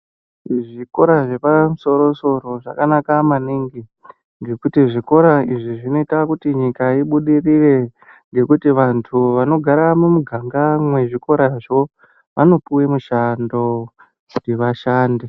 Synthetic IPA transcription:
ʐiko̞ɾaʐe̞pamuso̞ɾo̞so̞ɾo̞ʐa̰kanakamaniŋɡi | ŋɡe̞kutiʐiko̞ɾaiʐiʐino̞itakutiɲikaiɓuɗirire̞ | ŋɡe̞kutiʋantʰuʋano̞ɡʱaɾamumuɡʱaŋɡamwe̞ʐiko̞ɾaʐo̞ | ʋa̰no̞puwe̞muʃando | ndeʋaʃaːnde

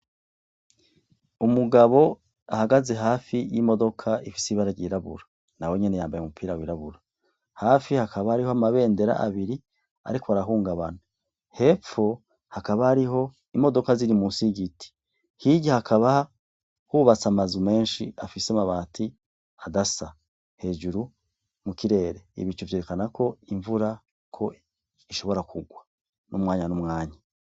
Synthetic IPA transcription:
umuɡaβo̞ | ahaɡaze̞ɦaːfijimo̞do̞kʰaʔifi̥siβaɾaɟiɾaβṵɾa | nawe̞ɲe̞ne̞jaːmbajeumupʰiːɾawiɾaβuɾa | haːfihakʰaβahaɾihoamaβe̞ːnde̞ɾa̰ʔa̰βiɾi | a̰ɾikʰoaɾaɦuːŋɡaβa̰na | he̞p͡fo̞ | hakaβahaɾiɦo̞ | imo̞do̞kaziɾimusiɡiti̥ | hiɟihakʰaβa | huːβat͡samazume̞ːnʃiafisemaβaːtʰi | adasa | he̞ːʒuɾu | mukiɾe̞ːɾe̞ḭβit͡ʃuvje̞ɾekanakʰo̞iɱvuɾa | kʰo̞ | iʃo̞βo̞ɾakʰuɡwa | numŋaːɲanumŋaːɲa

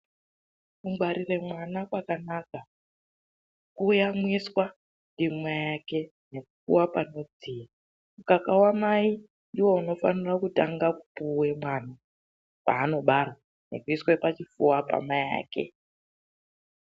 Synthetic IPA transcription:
kuŋɡwaɾire̞mwanakwakanaka | kuːjamwiswa | ndimwajake̞ | ne̞kufṵwapano̞d͡zia | mukakawamai | niwo̞uno̞fanirakutaŋɡakupuwe̞mwana | pa̰ːno̞ɓarwa | ne̞̰kuiswepat͡ʃifuwapa̰maja̰ːke̞̰

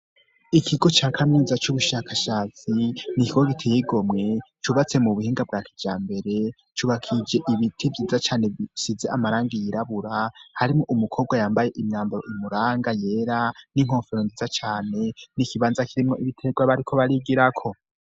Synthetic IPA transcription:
ikʰiɡo̞t͡ʃaːkʰamɲiːzat͡ʃuβuʃakaʃat͡sinikiɡoɡitʰejiɡo̞mŋe̞t͡ʃuβat͡se̞muβuhiːŋɡab̚ɡaːkid͡ʒaːmbe̞ɾe̞ | t͡ʃuβakʰid͡ʒe̞ʔiβitʰivjiːzat͡ʃaːnesize̞amaɾaːŋɡijiɾaβuɾahaɾimŋoʔumukʰo̞bɡwajaːmbaje̞ʔimɲaːmbaɾo̞ʔimuɾaːŋɡaje̞ːɾaniŋ̥oːɱfeɾondizat͡ʃaːne̞nikiβaːnzakiɾimŋo̞ʔiβitʰeɡwaβaɾikʰo̞βaɾiɡiɾakʰo̞

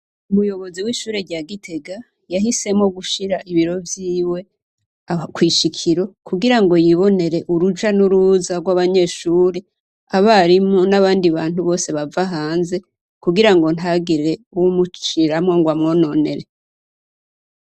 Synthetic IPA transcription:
umujo̞βo̞ziwiːʃuːɾeɾɟaːɡitʰe̞ɡa | jaɦise̞mŋo̞ɡuʃiɾaʔiβiɾo̞vjiːwe̞ | kwiːʃikʰiɾo̞kuɡiɾaŋɡo̞jiβo̞ne̞ɾe̞ʔuɾud͡ʒanuɾuːzaɾɡwaβaɲe̞ːʃuːɾe | aβaɾimo̞naβaːndiβaːn̥huβo̞ːse̞βavaɦaːnze̞ | kuɡiɾaŋɡo̞n̥haɡiɾe̞uwumut͡ʃiɾamŋo̞ŋɡwamŋo̞ːno̞ne̞ɾe

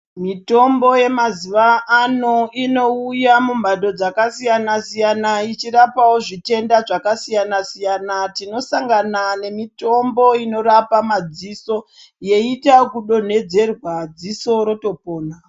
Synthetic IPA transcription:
mito̞mbo̞je̞maziʋaʔːno̞ino̞ujamumbaɗo̞d͡zakasijanasijanait͡ʃiɾapawoʐite̞ndaʐakasijanasijanatino̞saŋɡanane̞mito̞mbo̞ino̞ɾapamad͡ziso̞ | je̞itakuɗo̞n̤e̞d͡ze̞rwad͡ziso̞ɾo̞to̞po̞ːna

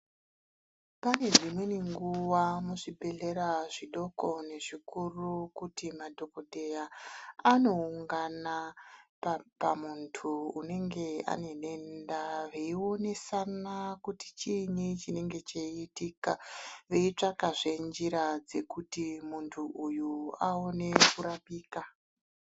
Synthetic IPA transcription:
pane̞d͡zimwe̞niŋɡuʋamuʐibʱe̞ɮe̞ɾaʐiɗo̞ko̞ne̞ʐikurukutimadʱo̞koɗʱejaano̞uŋɡana | pamuntʰuune̞ŋɡe̞a̰ne̞ɗe̞ndaʋeio̞ne̞sanakuti̥t͡ʃinit͡ʃine̞ŋɡe̞t͡ʃeitikaʋeit͡ʂakaʐe̞nd͡ʒiɾad͡ze̞kutimuntʰuʔujuao̞ne̞kuɾapiːka

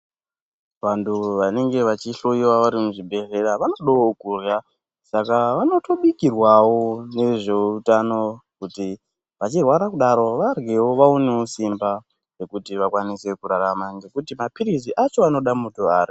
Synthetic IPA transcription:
ʋantuʋane̞ŋɡe̞ʋat͡ʃiɬoiwaʋaɾimuʐibʱe̞ɮe̞ɾaʋano̞ɗaokurja | sakaʋano̞to̞ɓikirwawo̞ne̞ʐe̞utano̞kuti | ʋat͡ʃirwaɾakuɗaɾo̞ʋarɡewo̞ʋaoneosimba | ʐe̞kutiʋakwanise̞kuɾaɾamaŋɡe̞kutimapiɾiziʔat͡ʃo̞ano̞ɗamutoaːri

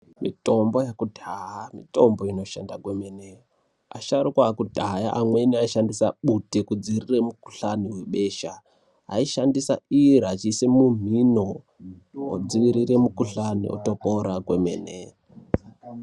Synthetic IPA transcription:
mḭto̞mbo̞jakudʱaamito̞mbo̞ino̞ʃandakwemene | a̰ʃaɾukwaːkudʱajaʔamwe̞niaiʃandisaɓutekud͡ziiriremuku̥ɬaniwe̞ɓe̞ʃa | ɦa̰iʃandisa̰iɾat͡ʃisemum̤ino | o̰d͡ziʋiɾiremukuɬanḭo̰to̞poɾakwemḛːnḛ

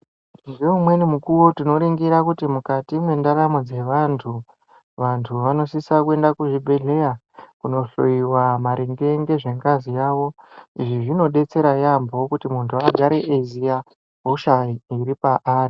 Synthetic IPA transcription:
ndeumwe̞nimukuwo̞tino̞ɾiŋɡiɾakutimukatimwe̞ndaɾamod͡ze̞ʋantʰu | ʋantʰuʋano̞sisakue̞ndakuʐibʱe̞ɮe̞ja | kuno̞ɬo̰iwamaɾʔiŋɡe̞ŋɡe̞ʐe̞ŋɡazijaːʋo̞iʐiʐino̞ɗe̞t͡se̞ɾajambo̞kutimuntʰuaɡʱaɾe̞ʔezija | ɦoʃaiiɾipaʔaːri

